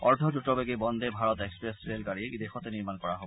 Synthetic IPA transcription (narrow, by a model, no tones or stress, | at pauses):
ɔɹd̪ʱɔdutɔbeɡibɔnd̪ebʱaɹɔt̪ekspɹestɹelɡaɹieid̪exɔt̪eniɹmankɔɹaɦobɔ